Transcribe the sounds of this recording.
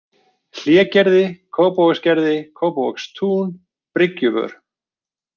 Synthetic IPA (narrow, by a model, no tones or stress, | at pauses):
l̥jɛːcɛɾðɪkʰoːwpowscɛɾðɪkʰoːwpowkst̪ʰuːn | pɾɪcʏvœ̰ɾ̥